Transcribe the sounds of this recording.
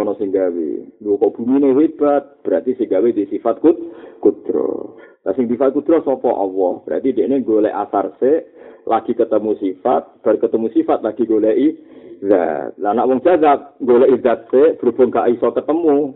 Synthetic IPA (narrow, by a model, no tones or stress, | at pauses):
ɔnɔsɪŋɡawḛŋɡokɔʔb̥umineɦeb̥at̪̚b̥əɾat̪isɪŋɡawed̪isifat̪̚kut̪̚kud̪̥ɾɔ̰tasɪŋd̪ifat̪̚kud̪̥ɾɔsɔpɔʔɔ̰wɔhb̥əɾa̰t̪ideʔneŋɡolɛ̰ʔa̰sarseʔlaɡ̥i̤kət̪əmusifa̰t̪̚b̥aɾkət̪əmusifat̪̚laɡ̥i̤ŋɡolɛʔiza̰t̪̚lanaʔwɔŋd͡ʒ̥azak̚ŋɡolɛʔid̪at̪̚seb̥əɾob̥ɔŋkaʔisɔkət̪əmu